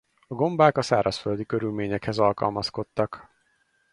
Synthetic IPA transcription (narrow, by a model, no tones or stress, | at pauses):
ɒɡo̞mbaːkɒsaːɾɒsføld̪ikø̞ɾylmeːɲɛkhɛzɒlkɒ̰lmɒsko̞t̪ːɒk